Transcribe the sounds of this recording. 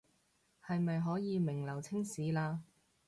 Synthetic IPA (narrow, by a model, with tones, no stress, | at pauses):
hɐ˨jmɐ˨jɦɔː˨˥jiː˨˧mɪ˨˩ŋlɐ˨˩wt͡sʰɪ˥ŋsiː˨˥laː˧